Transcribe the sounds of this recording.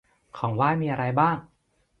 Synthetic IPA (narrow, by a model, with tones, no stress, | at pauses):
kʰɔː˩˦ŋwaː˥˩jmiː˧ʔa˧ɾa˧jbaː˥˩ŋ